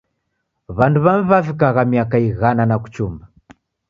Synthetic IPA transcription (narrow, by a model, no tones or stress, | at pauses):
βanduβamuβafik̬aɣamiakaiɣananaku̥t͡ʃumba